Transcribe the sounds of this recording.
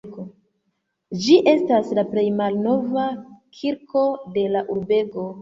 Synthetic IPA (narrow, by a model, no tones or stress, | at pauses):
d͡ʒiʔe̞staslaple̞jmalno̞vakʰiɾko̞de̞laʔuɾbe̞ɡo̞